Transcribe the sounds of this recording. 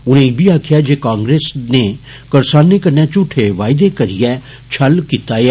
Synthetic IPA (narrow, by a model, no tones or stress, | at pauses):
ʊnẽbʱiaːkʰijad͡ʒeːkãːŋɡɾeːsne | kɐɾsaːnːekɐɾnjãt͡ʃʊʈʰeʋaːɪd̪ekɐɾijɛ | t͡ʃʰɐlkit̪aːje